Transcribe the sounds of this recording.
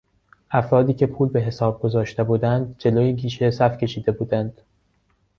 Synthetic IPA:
ʔæfɾɒːd̪iːcʰepʰuːlbe̞ɦe̞sɒːb̚ɡo̞zɒːʃt̪e̞buːd̪ænd̪̚d͡ʒe̞loːjeɡiːʃesæfcʰe̞ʃiːd̪e̞buːd̪ænd̪̥

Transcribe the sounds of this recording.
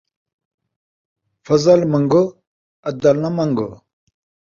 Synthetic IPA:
fɐzɐlmɐŋɡo | ɐd̪ɐlnɐmɐŋɡo̰

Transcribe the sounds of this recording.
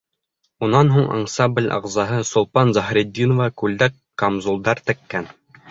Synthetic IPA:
unɑnɦuɴʔɑ̰ɴsɑmbɘ̆lʲɑ̰ʁzɑɦɤsŏlˠpɑnzɑɦɾʲed̪ʲːinŏvɑkʉld̪ækː | omzulˠd̪ɑɾt̪ɘ̆kːæn

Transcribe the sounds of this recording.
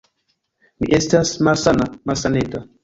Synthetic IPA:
mḭʔestasmalsanamalsaneta

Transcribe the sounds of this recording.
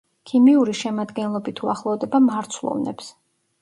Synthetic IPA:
kʰimiuɾiʃɛmad̪ɡɛnlˠɔbit̪ʰuaχlˠɔvd̪ɛbamaɾt̪sʰlˠɔ̰vnɛ̰ps

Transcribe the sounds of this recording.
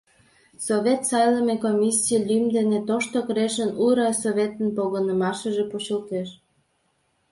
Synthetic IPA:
soβʲet̪sɑjləmekomʲisʲielʲymd̪enet̪oʃt̪okɾeʃənuɾɑsoβʲet̪ənpoɣənəmɑʃəʒeput͡ɕəlt̪eʃ

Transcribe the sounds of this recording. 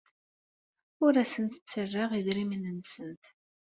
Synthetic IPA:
ʊɾæsənt̪ə̥t͡sːərːaʁiðɾimnənsənt̪

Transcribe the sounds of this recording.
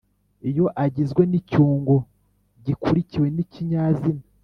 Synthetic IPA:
ijo̞ʔaɟizɡwe̞nicuːŋɡo | ɟikuɾiciwe̞niciɲaːzima

